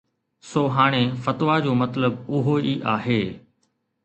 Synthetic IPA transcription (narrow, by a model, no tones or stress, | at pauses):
soːɦaːɽ̃efɐt̪ʋad͡ʑoːmɐt̪ləb̚ʊɦoiʔaːɦeː